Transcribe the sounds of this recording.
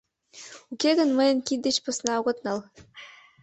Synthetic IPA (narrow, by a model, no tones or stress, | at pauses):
ukeɣə̆nmɤ̆jɤ̆nkit̪d̪et͡ɕpɤ̆snɑuɣɤ̆t̪nɤl